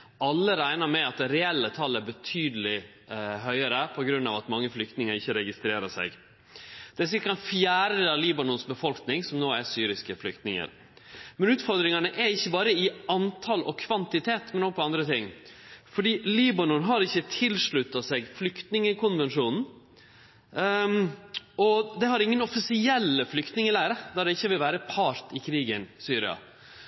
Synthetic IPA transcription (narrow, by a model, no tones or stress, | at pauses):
ɑlːəɾæɪnɑɾmɛɑt̪̚ɾɛɛlːət̪ʰɑlːæɾbət̪ʰyːd̪əlɪ | ɦœʏəɾəpʰɔɡɾʉnːɑʋɑt̪mɑŋːəflʏk̚t̪nɪŋəɾɪçːəɾɛɡɪst̪ɾeːɾəʂɛ̰ɡ | d̪̥ɛsɪlkɑnfjæːɾəɑliːbɑnʊnsbəfɔlknɪŋsɔmnoːæɾsyːɾɪskəflʏkt̪nɪŋə̰ɾ | mɛnʉːt̪fɔɾd̪ɾɪŋɑnəʔæɾɪçːəbɑːɾəɪɑnt̪ʰɑlɔ̰kʰʋɑnt̪ɪt̪ʰeːt̪mɛnɔɡəpʰɔɑnd̪ɾət̪ɪŋːfɔɖiːliːbɑnɔnɦɑɾɪçːət̪ʰɪlʂɭʉt̪ːɑsɛɡflʏkt̪nɪŋəkʊnʋɛnʂuːnn̩ | ɔd̪ɛhɑɾɪŋːənɔfɪsɪɛlːəflʏkt̪nɪŋəlæɪɾəd̪ɑɖ̪ɛɪçːəʋɪlʋæːɾəpʰɑːɾt̪ɪkʰɾiːɡənsyːɾɪ̰ɑ̰